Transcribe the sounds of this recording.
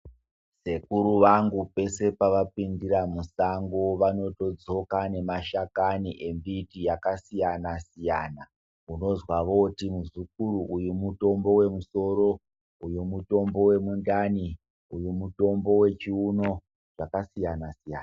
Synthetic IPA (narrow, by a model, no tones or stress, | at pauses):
se̞kuɾuʋaŋɡupe̞se̞paʋapindiɾamusaŋɡoʋano̞to̞d͡zo̞kane̞maʃakaniʔe̞mbitijakasijanasijana | uno̞zwaʋo̞timuʐikuɾuʔujumuto̞mbo̞we̞muso̞ɾo | ujumuto̞mbo̞we̞mundani | ujumuto̞mbo̞we̞t͡ʃiuno̞ | ʐ̥akasijanasija̰ːna